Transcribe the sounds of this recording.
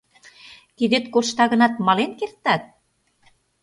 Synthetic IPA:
t̪id̪et̪̚korʃt̪ɑɣə̆nɑt̪mɑlenkert̪ɑt̪̚

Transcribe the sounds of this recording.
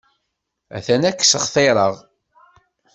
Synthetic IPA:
æ̰θænækːsəχθeɾˤəʁ

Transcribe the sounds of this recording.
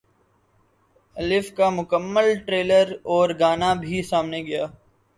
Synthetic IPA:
ɐlɪfkamʊkəmːəlʈɾeːləɾɔːɾɡaːnabʱisaːmneɡɐjaː

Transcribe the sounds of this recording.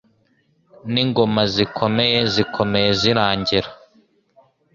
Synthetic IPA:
niŋɡo̞mazikʰo̞meje̞zikʰo̞me̞je̞ziɾaːɲɟiɾa

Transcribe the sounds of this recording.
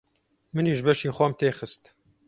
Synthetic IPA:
mɨniːʒbɛʃiːxʷɛmt̪eːxɨst̪

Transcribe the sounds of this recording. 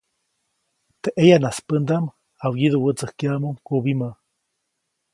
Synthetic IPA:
t̪eʔejanaspənd̪am | awjiðuwət͡səhkiamuŋkubima

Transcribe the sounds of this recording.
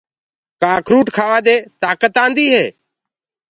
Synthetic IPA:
kaːkʰɾuːʈkʰaːʋaːd̪eːt̪aːkət̪ãːnd̪iːɦeː

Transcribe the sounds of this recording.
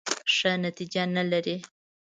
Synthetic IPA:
ʂənat̪id͡ʒanalaɾi

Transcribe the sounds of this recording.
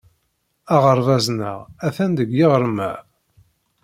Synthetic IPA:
ɑʁəɾˤvæznə̰ʁæθænd̪əɡjiʁɾəmæ̰

